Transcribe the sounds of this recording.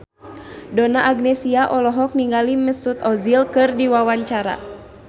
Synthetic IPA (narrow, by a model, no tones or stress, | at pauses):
dɔnaʔːɡnɛsiaʔɔlɔɦɔk̚niŋɡaliməsut̪ɔzilkɨrdiwawaɲt͡ʃaɾa̰